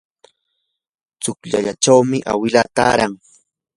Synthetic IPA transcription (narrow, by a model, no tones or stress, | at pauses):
t͡sʊkʎaʎat͡ʃawmɪʔa̰wɪlat̪a̰ːɾaŋ